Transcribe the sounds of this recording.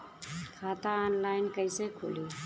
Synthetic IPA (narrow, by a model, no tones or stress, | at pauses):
kʰaːt̪aɔːnlaːɪnkəisekʰʊ̰ːliː